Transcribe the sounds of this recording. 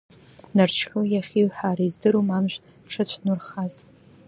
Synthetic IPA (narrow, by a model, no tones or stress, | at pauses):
nart͡ʃʰkʲɨjaχʲiɥħaɾaizdɨɾomamʒʷᶣ | ʈ͡ʂʰɨt͡ɕʷʰnurχaz